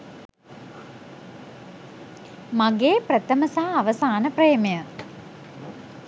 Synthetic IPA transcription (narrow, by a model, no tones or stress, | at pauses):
maɡeːprət̪əməsaːʋəsaːnəpreːmejə